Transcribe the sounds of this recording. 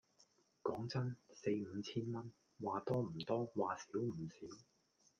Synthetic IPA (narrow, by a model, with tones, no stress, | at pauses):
kɔː˨˥ŋt͡sɐ˥nse˧jm̩˨˧t͡sʰiː˥nmɐ˥n | waː˨t̪ɔː˥m̩˨˩t̪ɔː˥waː˨siː˨˥wm̩˨˩siː˨˥w